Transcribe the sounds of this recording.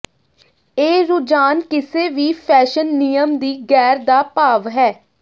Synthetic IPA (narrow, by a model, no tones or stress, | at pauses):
eːɾʊːd͡ʒaːnkɪseːʋiːpʰɛːʃənːijəmd̪iːɡɛːɾd̪aːpaːʋɦɛː